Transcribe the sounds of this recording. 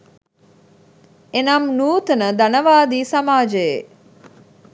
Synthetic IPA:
enamnuːt̪ənəd̪anəʋaːd̪iːsamaːd͡ʒəje

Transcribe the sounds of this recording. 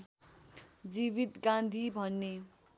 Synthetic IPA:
d͡ziβit̪ɡãnd̪ʱibʱʌnːe

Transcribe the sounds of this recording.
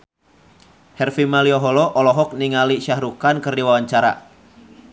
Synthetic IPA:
hɛrfimaliɔɦɔlɔʔɔlɔɦɔk̚niŋaliʃahɾukankərdiwawaɲt͡ʃaɾa̰

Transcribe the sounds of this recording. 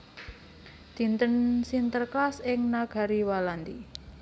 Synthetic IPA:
d̪̥i̤nt̪ənsint̪ərkasɪŋnaɡ̥a̤ɾiwaland̪i

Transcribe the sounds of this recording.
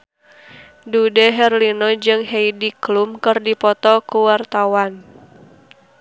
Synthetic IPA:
dudəɦɛrlinod͡ʒɨŋheidiklumkɨrdipɔt̪ɔkuwart̪awan

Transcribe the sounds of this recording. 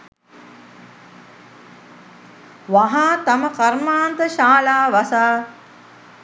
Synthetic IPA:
ʋaɦaːt̪ɐməkɐɾmaːnt̪əʃaːlaːʋasaː

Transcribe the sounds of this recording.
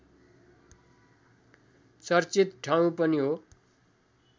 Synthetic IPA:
t͡sʌrt͡sit̪ʈʰaw̃pʌniɦo

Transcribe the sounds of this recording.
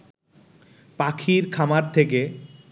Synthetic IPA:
pakʰiɾkʰamaɾt̪ʰeke

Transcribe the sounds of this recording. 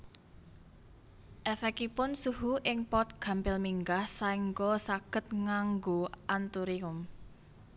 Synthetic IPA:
ʔɛfɛkipʊnsuɦuʔɪŋpɔt̪̚ɡ̥a̤mpɪlmiŋɡahsaiŋɡɔsaɡ̥ə̤t̪̚ŋaŋɡoʔant̪uɾiʊm

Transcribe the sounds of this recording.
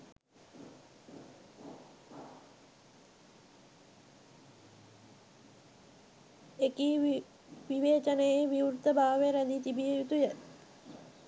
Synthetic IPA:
eki | ʋiʋeːt͡ʃənejeʋiuɾut̪əbʱaːʋeɾæd̪it͡ʃibijut̪ujə

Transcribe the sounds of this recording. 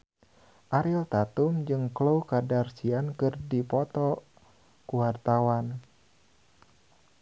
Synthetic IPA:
ʔaɾilt̪at̪umd͡ʒɨŋkloukadarsiankɨrdipɔt̪ɔ | kuwart̪awan

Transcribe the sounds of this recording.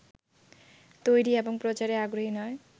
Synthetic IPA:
t̪ojɾieboŋpɾot͡ɕaɾeaɡɾoɦinɔe

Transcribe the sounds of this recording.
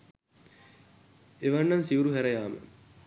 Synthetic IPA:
eʋanːansiuɾuɦæɾɐjaːmə̰

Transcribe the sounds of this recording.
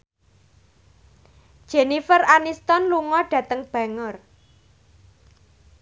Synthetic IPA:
d̥ʒ̥enifəranist̪ɔnluŋɔɖ̥ä̤t̪əŋb̥a̤ŋər

